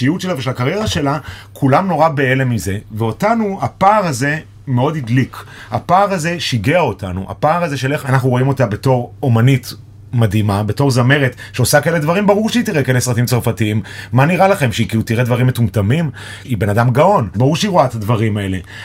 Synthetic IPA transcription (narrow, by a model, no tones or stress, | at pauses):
iutt͡ʃelaveʃelakaʁje̞ʁaʃe̞lakʰulamno̞ʁabe̞ele̞mize̞veo̞tanuapaːʁaze̞ | meo̞dhidlik | ha̰paːʁaze̞ʃiɡeao̞tanṵʔa̰paːʁaze̞ʃelʔe̞χanaχnuʁo̞imo̞tabe̞to̞ʁo̞manit | madimabe̞to̞ʁzame̞ʁetʃeosakaeled̪vaʁimbaʁuʁʃeitiʁekaelesʁatimt͡saʁfatiimːaniʁalaχe̞mʃeikiutiʁedvaʁimːetumtamim | ibe̞nadamɡao̞nbaʁuʁʃeiʁoaetadvaʁimae̞le̞